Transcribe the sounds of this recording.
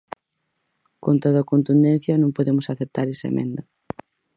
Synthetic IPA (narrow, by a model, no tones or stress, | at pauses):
kont̪oðakont̪und̪ẽn̟θjɐnõŋpoðemʊsaθep̚t̪aɾesɐ̰ḛmʔḛ̃nd̪ɐ